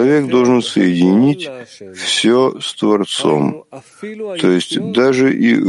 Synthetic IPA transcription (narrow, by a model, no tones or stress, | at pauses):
ɐvʲe̞kd̪o̞lˠʐɨnsəjɪdʲɪnʲitʲfsʲost̪vɐrt̪so̰m | t̪ʰojɪsʲtʲd̪aʐɨʔḭ